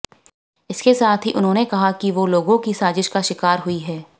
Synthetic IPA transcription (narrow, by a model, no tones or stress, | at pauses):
ɪskesaːt̪ʰɦiʔʊnɦõːnekɐɦakiʋoːloːɡõkisaːzɪʃkaʃɪkaːɾɦʊiɦɛː